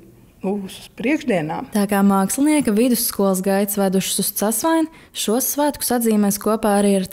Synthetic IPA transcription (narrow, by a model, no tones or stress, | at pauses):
buspɾiɛɡʒd̪iɛna̰ːt̪aːkaːmaːkslˠiniɛkɐvid̪usːkuɔlˠs̬ɡajt̪svæd̪uʃsust̪sasʋajn | ʃuɔsːvæːt̪ku̥sad̪ziːmɛjskuɔpaːaɾiːaɾ